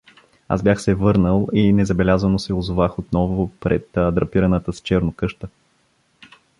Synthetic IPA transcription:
a̰zbʲjaxsɛvɤɾnəlˠinɛzɐbɛlʲazənosɛʊzʊvaxot̪nɔvʊpɾɛ̰t̪d̪ɾɐpiɾɐnət̪əst͡ʃɛɾnokɤʃt̪ə

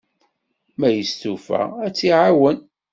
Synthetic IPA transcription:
mæjəstufæ̰æt͡sːiʕawən

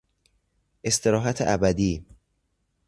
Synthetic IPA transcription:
ʔe̞st̪ʰe̞ɾɒːɦæt̪ʰeʔæbæd̪iː

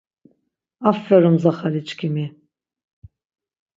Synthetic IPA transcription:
afːɛɾumzaχalit͡ʃʰʼkʰimi

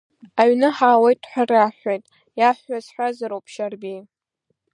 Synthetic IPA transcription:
aɥnɨħaːwajtʼħʷaraħʷajtʼ | jaħʷːazħʷazaɾowpʰʃarbi

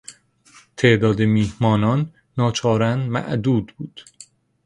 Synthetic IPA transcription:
t̪ʰeʔd̪ɒːd̪emiːhmɒːnɒːnː | ɒːt͡ʃʰɒːɾænmæ̰ʔd̪uːd̪buːd̪̥

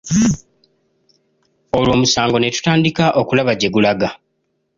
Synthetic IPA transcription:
o̞lwo̞ːmusaːŋɡo̞netu̥taːndikaʔo̞kulaβaɟe̞ɡulaɡa

